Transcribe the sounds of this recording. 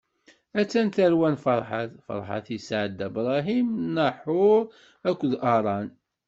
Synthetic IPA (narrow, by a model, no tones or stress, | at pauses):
æt͡sːænt̪əɾwænfɑɾˤħaθfɑ̰ɾˤħa̰θisʕəd̪ːæbɾˤɑɦimnəħʊɾˤ | ækʷːðʔɑɾˤɑn